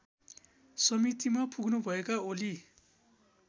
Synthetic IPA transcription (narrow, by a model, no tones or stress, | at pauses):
sʌmit̪imapuɡnubʱʌekaoli